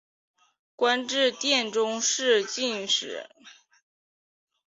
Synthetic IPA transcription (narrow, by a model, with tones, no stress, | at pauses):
kwa˥nʈ͡ʂɻ̩˥˧t̪jɛ˥˩nʈ͡ʂʊ˥ŋʂɻ̩˥˧t͡ɕi˥˩nʂɻ̩˨˦